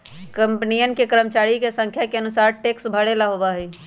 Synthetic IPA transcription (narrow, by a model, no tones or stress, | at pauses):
kə̃mpnijənkekəɾəmt͡ʃaːɾikesə̃ŋkʰjakeənʊsaːɾʈeːksbʱəɽelaɦobaɦɛː